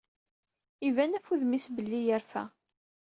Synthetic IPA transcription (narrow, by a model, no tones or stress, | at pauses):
ivænæfuðmisbəlːijəɾfæ̰